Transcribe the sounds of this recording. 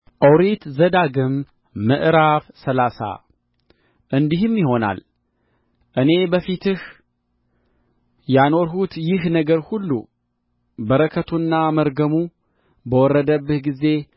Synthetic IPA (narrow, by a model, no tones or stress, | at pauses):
ʔəwɾit̪zəd̪aɡɨmː | ɨʔɾafsəlasa̰ | ʔɨnd̪iɦɨmjɪho̞na̰l | ʔɨne̞bəfit̪ʰɨh | jano̞ɾɦut̪jɪɦnəɡəɾhulːṵ | bəɾəkʰət̪ʰunːaməɾɡəmu | bəwɔrːəd̪əbːɨhɡize̞